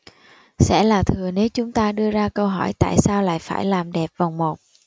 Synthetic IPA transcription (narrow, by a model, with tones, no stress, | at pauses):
sɛ̰˧˥laː˨˩t̪ʰɨ˨˩əne˨˦wt͡ɕʊ˨˦ŋ͡mt̪aː˧ɗɨ˧əzaː˧kə˧wɦɔ˧˩jt̪a̰ː˧˨jsaː˧wla̰ː˧˨jfaː˧˩jlaː˨˩mɗɛ˨˩p̚va˨˩wŋ͡mmo˨˩t̚